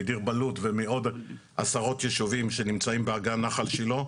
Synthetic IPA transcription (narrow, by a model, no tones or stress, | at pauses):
diʁbalutvemeo̞d | ʔa̰saʁo̞t̪jeʃuvimʃe̞nimt͡saimbeaɡanaχalʃelo̞